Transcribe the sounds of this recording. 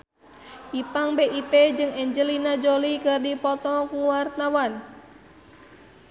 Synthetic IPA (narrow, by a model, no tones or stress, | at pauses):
ʔipaŋbeʔip̪ed͡ʒɨŋɛɲd͡ʒəlinad͡ʒolikərdipɔt̪ɔkuwart̪awan